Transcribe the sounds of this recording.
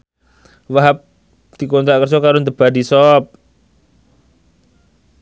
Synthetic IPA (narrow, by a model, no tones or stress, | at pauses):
waɦap̚ | d̪̥i̤kont̪aʔkərsɔkaɾʊnt̪əb̥adisɔp̚